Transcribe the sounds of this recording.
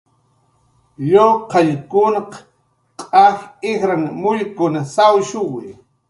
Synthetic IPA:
ʎoqɑjkʊnɑq | qʼɑχɪxɾaŋmʊʎkʊnasawʃʊwɪj

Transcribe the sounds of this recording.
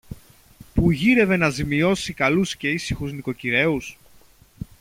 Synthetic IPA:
puʝiɾe̞ve̞nɐzimio̞sikɐlusce̞isixuzniko̞ciɾe̞us

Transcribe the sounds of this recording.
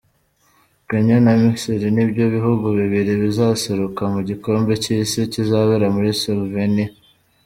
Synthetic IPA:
keɲonamisiɾinibjoβiɦuɡuβiβiɾiβizaseɾokamuɟiko̞ːmbe̞cisicizaβeɾamuɾisolveni

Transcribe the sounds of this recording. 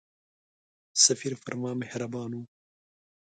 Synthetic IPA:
sɐfiːɾfɐɾmaːmehɾɐbɑːnuː

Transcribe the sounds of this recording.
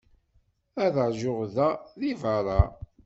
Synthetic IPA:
æðəʕʒʊʁðæðivɑɾˤɑ

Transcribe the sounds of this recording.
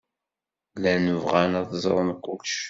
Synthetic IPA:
lænəvʁænæθzˤɾˤnqːʊkʃ

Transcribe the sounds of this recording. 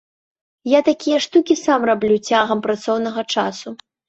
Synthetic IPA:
jat̪akʲijɐʂt̪ukʲisamrablʲut͡sʲaɣɐmpɾat̪sɔwnɐɣɐt͡ʂasu

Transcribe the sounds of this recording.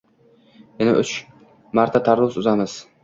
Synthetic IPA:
jɪnaʔʊt͡ʃ | maɾt̪ʰat̪ʰaɾlʊsʊzamɪz̥

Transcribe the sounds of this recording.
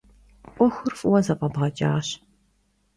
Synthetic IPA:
ʔʷɔxʷʊrfʼwɐzɐqʼɐbʁɐt͡ʃʼa̰ːɕ

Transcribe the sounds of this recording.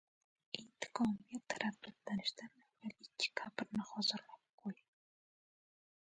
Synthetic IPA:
ɪnt̪ʰɪ̥qʰɒmijat̪ʰaɾafd̪at̪lanɪʃt̪anavalɪkʲʰːɪ̥kʰapɪɾnɪχɒzɪɾlap̚qʰoj

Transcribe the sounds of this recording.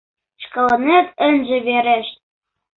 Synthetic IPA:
ʃkɤ̆lɤ̆net̪ɘ̆nʒɘ̆βeɾʲĕʃ̚

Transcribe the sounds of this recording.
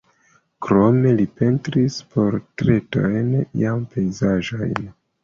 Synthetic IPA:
kɾo̞me̞lipe̞ntɾispo̞ɾtɾe̞to̞̰jnjampʰe̞jzaʒo̰jn

